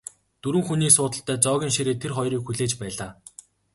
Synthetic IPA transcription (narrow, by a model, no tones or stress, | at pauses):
t̪uɾɘ̆ŋxuniːksʊːt̪ə̆ɬt̪ʰːæːt͡sɔːɣʲiːŋʃiɾeːt̪ʰerχɔjɾiːkxuɮeːt͡ɕpæːɮaː